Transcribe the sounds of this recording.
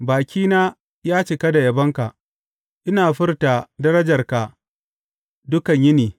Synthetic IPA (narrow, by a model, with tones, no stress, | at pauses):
baː˨kʲiː˦naː˦ | jaː˦t͡ʃɪ˨kɐ˦da˨jɐ˨bɐ˦ŋka˨ʔ | ʔɪ˦naː˨ɸɪ˦rta˨dɐ˦ɾɐ˦d͡ʒɐ˨rka˨ | dʊ˦kɐ˨ɲjɪ˦niː˨